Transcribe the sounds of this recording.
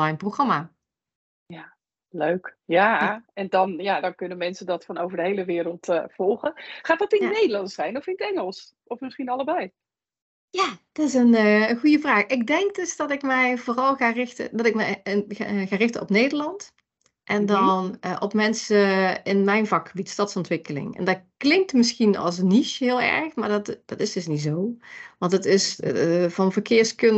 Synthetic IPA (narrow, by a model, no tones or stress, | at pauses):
ɑjnproχrɑmaː | jaː | løɥk | jaɛndɑnjaːdɑnkɵnəmɛnsədɑtfɑnowvəɹdəɦejləʋɪːɾəlˠtːfɔlˠχəχaːdɑtɪnənejdəlɑntsɛjnɔfɪnətɛŋəlˠs | ɔfmɪsχinɑləbɛj | jaːd̥ɑtɪs̬ənəəɣujəvraːxɪɡ̚dɛŋk̚døsd̥ɑtɪkmɛjvoːrɑlˠɣaːrɪxtə̰dɑtɪk̚mɛ | ɣaːrɪxtəɔpnejdəlɑnt | ʔɛndɑnəʔɔpmɛnsəɪnmɛjnvɑkxəbitstɑtsɔntʋɪkəlɪ̰ŋɛ̰ndɑtklɪŋk̚tmɪsxinɑ̰lˠsniʃɦɪːlˠɛ̰ɹxmaːɹdɑtd̥ɑtɪsd̥ɵsnitzowʋɑntətɪsvɑnvəkɪːɹskɵn